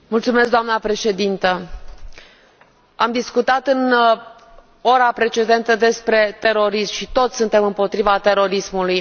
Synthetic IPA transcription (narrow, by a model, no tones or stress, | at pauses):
mult̪sume̞s̬kɡd̪oamnəpɾe̞ʃe̞d̪int̪ə | amd̪iskut̪at̪ɨn | o̞ɾapɾe̞t͡ʃe̞d̪e̞nt̪əd̪e̞spɾe̞t̪e̞ɾo̞ɾismʃit̪o̞t̪sʲsunt̪e̞mɨmpo̞t̪ɾivat̪e̞ɾo̞ɾismuluj